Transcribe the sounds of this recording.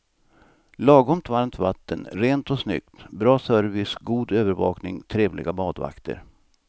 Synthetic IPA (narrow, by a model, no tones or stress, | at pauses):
lɑːɡɔmt̪vaɾmt̪vat̪ʰːənɾeːnt̪ɔsnʏ̰kt̪bɾɑːsœɾvɪsɡuːd̪øːvəɾvɑ̰ːknɪŋt̪ʰɾeːvlɪ̰ɡabɑːd̪va̰kt̪ʰə̰ɾ